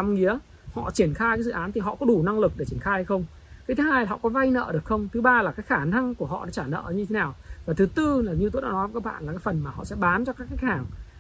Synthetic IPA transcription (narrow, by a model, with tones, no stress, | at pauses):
a˨˦ŋ͡mŋi˨˦ə | hɔ̰˧˨t͡ɕi˧˩ənxaː˧jkaː˨˦zɨ̰˧˨ʔaː˨˦nt̪ʰi˨˩ɦɔ̰˧˨kɔ˨˦ɗu˨˧˩na˧ŋlɨ˨˩k̚ɗe˧˩t͡ɕi˧˩ənxaː˧jha˧jxə˧wŋ͡m | ka˨˦t̪ʰɨ˨˦haː˧jɦɔ̰˧˨kɔ˨˦va˧jnə̰ː˧˨ɗɨ˨˩ək̚xə˧wŋ͡mt̪ʰɨ˨˦ɓaː˧laː˨˩kaː˨˦kxaː˧˩na˧ŋku˧˩əɦɔ̰˧˨ɗɔ˨˦t͡ɕaː˧˩nə̰ː˧˨˦ɲɨ˧t̪ʰe˨˦naː˨˩wvaː˨˩t̪ʰɨ˨˦t̪ɨ˧laː˨˩ɲi˨˧t̪oː˨˦ɗa̰ː˧˥nɔ˨˦və˨˦kaː˦˥k̚ɓa̰ː˧˨nla˨˩aː˨˦jfə˨˩nmaː˨˩hɔ̰˧˨sɛ̰˧˥ɓaː˨˦nt͡ɕɔ˧kaː˦˥k̚ːa˦˥jk̚haː˧˩ŋ